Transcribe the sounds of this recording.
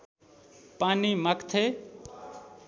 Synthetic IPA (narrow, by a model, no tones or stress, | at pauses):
paːnimakt̪ʰe